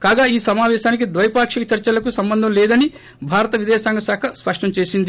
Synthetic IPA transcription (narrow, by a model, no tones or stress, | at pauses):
kaːɡaːiːsɐmaːʋɛːʃaːnik̬id̪ʋɐjɐpaːkʂikɐt͡ʃɐɾt͡ʃɐlɐkusɐmbɐnd̪ʱɐmlɛːd̪ɐni | bʱaːɾɐt̪ɐʋid̪ɛːsaːŋɡɐsaːkʰɐspɐʂʈɐmt͡ʃeːsind̪i